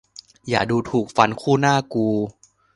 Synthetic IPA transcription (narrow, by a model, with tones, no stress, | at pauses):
jaː˨˩duː˧t̪ʰuː˨˩k̚fa˧nkʰuː˥˩naː˥˩kuː˧